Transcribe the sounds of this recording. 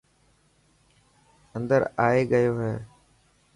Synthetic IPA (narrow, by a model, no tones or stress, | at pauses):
ənd̪əɾaːeːɠəjoːɦɛː